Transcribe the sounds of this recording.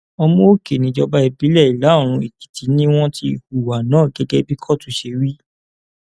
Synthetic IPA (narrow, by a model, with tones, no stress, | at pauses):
ɔ˧mɔ̃˦o˦˨ke˨nĩ˨˦d͡ʒɔ˧ba˧˦i˧bi˨˦lɛ˦˨i˨la˨˦˨ɾ̃ũ˧i˨ki̥˨tʰi˨˦nĩ˦w̃ɔ̃˦ti˧u˨wa˨nãː˨˦˨ɡɛ˧ɡɛ˦bi˦kʰɔ˦˨tu˨˧˦ʃe˧ɾi˦